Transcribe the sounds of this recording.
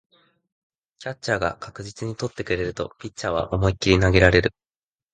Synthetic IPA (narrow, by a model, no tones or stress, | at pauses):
kʲatt͡ɕaːɡa̰kakɯ̟ʑit͡sɨɲ̟it̪o̞t̪ːe̞kɯ̟ɾe̞ɾɯ̟t̪o̞̰pʲitt͡ɕaːβ̞a̰ʔo̞moikʲːiɾʲinaɡe̞ɾaɾe̞ɾɯ̟